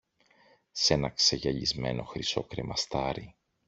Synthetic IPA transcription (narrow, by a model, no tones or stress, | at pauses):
se̞nɐkseʝɐʎizme̞̰no̞xɾiso̞kɾe̞mɐst̪ɐɾi